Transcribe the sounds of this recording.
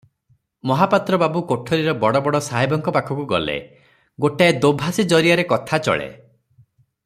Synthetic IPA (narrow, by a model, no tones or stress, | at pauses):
mɔɦapat̪ɾɔbabukoʈʰɔɾiɾɔbɔɽɔbɔɽɔsaɦibɔŋkɔpakʰɔkuɡɔ̰lḛ | ɡoʈaed̪obʱasid͡ʒɔɾiaɾekɔt̪ʰat͡ʃɔ̰ɭḛ